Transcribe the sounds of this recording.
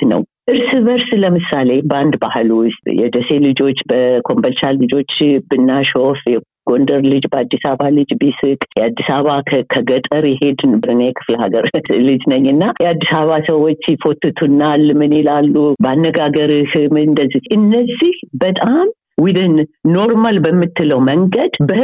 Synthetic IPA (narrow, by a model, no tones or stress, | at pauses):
nə̰wʔɨɾsɨβəɾsləmɨsale̞band̪bahɨlwʊst̪ʼjɛ̰d̪əse̞lɨd͡ʒo̞t͡ʃːbəkʰo̞mbəlt͡ʃalɨd͡ʒo̞t͡ʃːbɨnːaʃo̞fjɛ | ɡ̥o̞nd̪əɾlɨd͡ʒbəad̪ːisaβalɨd͡ʒbisɨkʼjɛad̪ːisaβakʰəɡət̪ʼəɾjɛhe̞d̪bɨɾɨnːajɛkʰɨ̥fləhaɡəɾlɨd͡ʒnəɲːɨnːajɛad̪ːisaβasəwo̞t͡ʃːsifot̪ːɨt̪ʰunːalːmɨnelalːubanːəɡaɡəɾihmɨnd̪əzːiʔɨnːəzːihbət̪ʼam | wid̪ɨnːo̞ɾmalbəmːɨt̪ʰːɨləwməŋɡəd̪bə